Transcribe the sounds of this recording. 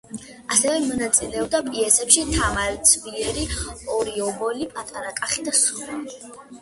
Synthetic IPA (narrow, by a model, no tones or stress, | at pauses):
a̰sɛvɛmɔnat̪sʼḭlɛɔb̚d̪apʼiɛsɛpʃit̪ʰamaɾt̪sʰviɛɾiɔɾiɔbɔlipʼat̪ʼaɾakʼaχid̪asuɾai